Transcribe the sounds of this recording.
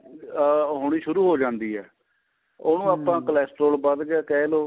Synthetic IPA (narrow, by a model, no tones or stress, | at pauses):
ɦoːɽ̃iːʃʊɾuːɦoːd͡ʒãːnd̪iːɛː | oːnũːaːpãːkəlɛːsʈɾoːlbəd̪ɡɪaːkɛːloː